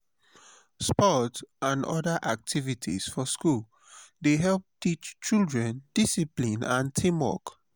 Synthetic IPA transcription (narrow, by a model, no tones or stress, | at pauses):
spɔtʔãndɔdaʔak̚tʰivitʰḭsfɔskul | deɦɛlˠp̚tit͡ʃt͡ʃildɹɛ̃nd̥isiplĩnãntʰĩmwɔ̰k